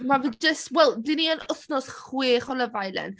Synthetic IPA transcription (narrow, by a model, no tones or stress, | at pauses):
mavidd͡ʒəstwɛlˠdiniənʊθnɔsχwiːχɔlˠəvajlɛ̰n